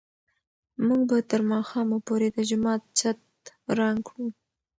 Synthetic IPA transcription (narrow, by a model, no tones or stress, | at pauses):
muɡbat̪əɾmɑxɑmapoɾed̪əd͡ʒʊmɑt̪̚t͡ʃat̪ | ɾɑŋkɽu